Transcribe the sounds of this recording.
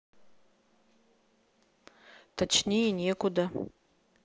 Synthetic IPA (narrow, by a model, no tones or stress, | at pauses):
t̪ʰat͡ʃnʲejenʲekʊd̪a